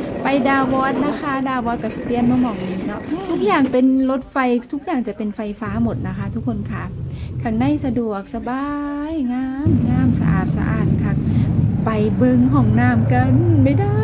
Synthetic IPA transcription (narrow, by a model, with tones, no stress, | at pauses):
pa˨jdaː˧wɔː˧˥t̪̚na˦˥kʰa˦˥daː˧wɔː˧˥t̪̚ka˧˩spli˧ə˨nmɔː˧mɔː˧˨˩ŋ̚niː˧˥nɔ˦˥ʔt̪ʰu˦˥k̚jaː˨˩ŋpe˧nlo˦˥t̪̚fa˧jt̪ʰu˦˥k̚jaː˨˩ŋt͡ɕa˨˩pe˨nfa˧jfaː˦˥mo˨˩t̪̚na˦˥kʰa˦˥t̪ʰu˦˥kʰːo˧˨nkʰa˧˩kʰa˧˩k̚na˧˥˩jsa˧du˨˩ək̚sa˧baː˧jŋaː˧˥˩mŋaː˧˩msa̰˧ʔa̰ː˨˩t̪̚sa̰˧ʔa̰ː˨˩t̪̚kʰa˧˩k̚pa˨jbɤ˧ŋɦɔː˧˩ŋnaː˧˩mka˧nma˧˥˩jdaː˧˩